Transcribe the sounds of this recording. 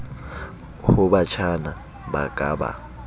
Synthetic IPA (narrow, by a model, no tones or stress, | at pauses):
hʊbat͡ʃʰana | ba̰kʼa̰ːba̰